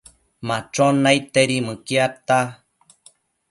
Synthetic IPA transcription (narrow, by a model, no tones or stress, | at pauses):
mat͡ʃonajt̪eɾimɨkiat̪a